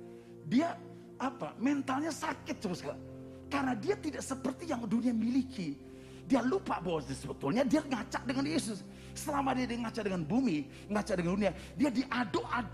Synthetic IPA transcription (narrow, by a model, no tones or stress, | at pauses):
diaː | pa̰mɛnt̪alɲasakɪt̪̚d͡ʒʊskala | karnadiat̪idaʔsəpərt̪ijaŋduniamiliki | dialupaʔbawasdisəbət̪ʊlɲadiaŋat͡ʃaʔ̚dəŋanjesʊs | səlamadiadiaŋat͡ʃaʔdəŋanbumi | ŋat͡ʃaʔ̚dəŋandunia | diadiʔadoʔa